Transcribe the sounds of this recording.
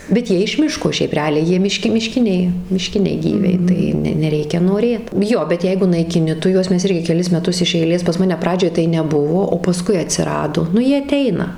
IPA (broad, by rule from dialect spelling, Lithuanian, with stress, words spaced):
bʲɛt ˈjiɛ ɪʃ ˈmʲɪʃkoː ˈʃʲɛɪp rʲɛˈɑːlʲɛɪ ˈjiɛ mʲɪˈʃʲkʲɪ mʲɪˈʃʲkʲɪnʲɛɪ mʲɪˈʃʲkʲɪnʲɛɪ ˈɡʲiːʋʲɛɪ tɐɪ ˈnʲɛ nʲɛˈrʲɛɪkʲɛ noːˈrʲeːt ˈjoː bʲɛt ˈjɛɪɡʊ nɐɪkʲɪˈnʲɪ ˈtʊ ˈjuɔs ˈmʲɛs ˈɪrʲɡʲɪ kʲɛˈlʲɪs mʲɛˈtʊs ɪʃ ɛɪˈlʲeːs pɐs ˈmɑːnʲɛ ˈprɑːd͡ʒʲoːj tɐɪ nʲɛˈbʊʋoː oː pɐˈskʊɪ ɐtʲsʲɪˈrɑːdoː ˈnʊ ˈjiɛ ɐˈtʲɛɪnɐ